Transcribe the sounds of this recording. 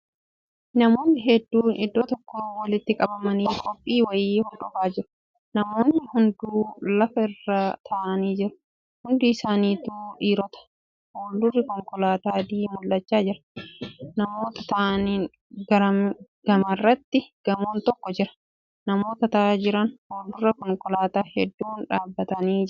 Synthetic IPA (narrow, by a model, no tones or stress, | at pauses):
nɐmo̞ːnːɪɦɛd̪ːuːʔɪd̪ːoːt̪ɔkːoːwɐlɪt̪ːɪkʼɐbɐmɐniːkʰɔpʼːiːwɐjeːhɔlᶑɔfaːd͡ʒɪɾʊ̥ | nɐmoːnːɪhʊnd̪uːlɐfɐɪrːat̪ʰɐʔɐniːd͡ʒɪɾʊ̥ | hʊnd̪iɪsaːniːt̪uːᶑiːɾɔt̪ɐ̥ | hoːld̪ʊrːɪkɔŋkɔlaːt̪aːd̪iːmʊlːɐt͡ʃːaːd͡ʒɪɾɐ̥ | nɐmo̞ːt̪ɐt̪ɐʔɐniːn | ɡɐɾɐmɡ̥ɐmɐrːɐt̪ːɪɡ̥ɐmoːnt̪ɔkːɔd͡ʒɪɾɐ̥ | nɐmo̞ːt̪ɐt̪ɐʔaːd͡ʒɪɾɐnhoːld̪ʊrɐkɔŋkɔlaːt̪aːhɛd̪ːuːnᶑaːbːɐt̪ɐniːd͡ʒɪ